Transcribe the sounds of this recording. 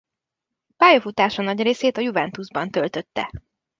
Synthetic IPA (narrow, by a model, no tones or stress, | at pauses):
paːjofut̪aːʃɒnɒɟreːseːt̪ɒjuvɛnt̪uzbɒnt̪ø̞lt̪øt̪ːɛ̰